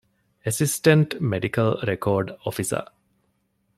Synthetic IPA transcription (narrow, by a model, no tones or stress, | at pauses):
esisʈeɳʈmeɖikɐlɾekʰoːɾɖofisɐ̰